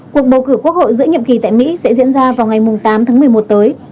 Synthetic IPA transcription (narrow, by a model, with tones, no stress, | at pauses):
ku˨˩ək̚ɓə˨˩wkɨ˧˩ku˦˥ək̚ho̰˧˨jzɨ̰˧˥əɲə̰˧˨mŋ͡mki˨˩t̪a̰ː˧˨jmḭ˧˥sɛ̰˧˥zḭ˧˥ənzaː˧vaː˨˩wŋa˨˩jmʊ˨˩ŋ͡mt̪aː˨˦mt̪ʰaː˨˦mɨ˨˩əmo˨˩t̚t̪əː˨˦j